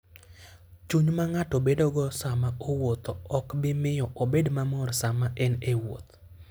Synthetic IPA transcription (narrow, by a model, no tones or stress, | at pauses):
t͡ʃuɲmaŋatobedoɡɔsamaowot̪ɔɔkbɪmɪjɔʔobedmamɔrsamaʔɛnewo̰t̪